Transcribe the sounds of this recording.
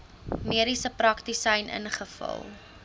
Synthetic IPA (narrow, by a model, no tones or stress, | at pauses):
miəɾisəprɐktisəjnʔə̰nχəfɐ̰lˠ